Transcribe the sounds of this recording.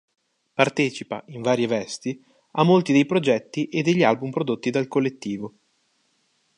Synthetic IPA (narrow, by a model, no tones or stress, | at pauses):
part̪ɛːt͡ʃipa̰iɱvaːɾjevɛst̪i | amːolt̪id̪ejpɾod͡ʒɛt̪ːiʔed̪ːeʎːialbumpɾod̪ot̪ːid̪alkolːet̪ːiːvo